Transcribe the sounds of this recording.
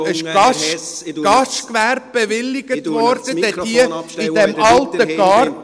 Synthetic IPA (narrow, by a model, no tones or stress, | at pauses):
ɪʃʃɡ̥ɑʃkʋæɾb̚b̥eʋɪlːɪɡ̥ət̪ʋɔɾd̥ədɛ̥iəidɛmɑlt̪əɡ̥ɑːr